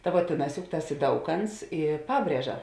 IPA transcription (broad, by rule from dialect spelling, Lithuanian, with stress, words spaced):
tɐ ʋuɔ ˈtʲeːˌnɑːs jʊk ˈtɐs ɪ ˈdɐʊˌkɐnts ɪ ˈpɑːbʲrʲiɛʒɐ